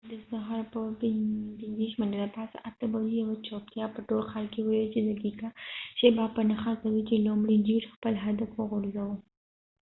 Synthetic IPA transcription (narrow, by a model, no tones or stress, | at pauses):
d̪əsaɦɑɾpə | pinziʃmandalapɑsa̰ʔat̪əbalijawat͡ʃok̪jɑpəʈolxɑlkewəjilt͡ʃed̪əɡikaʃebɑpːənaxɑkawit͡ʃelomɽid͡ʒiɾxpəlɦad̪afwəɣʊɾzawu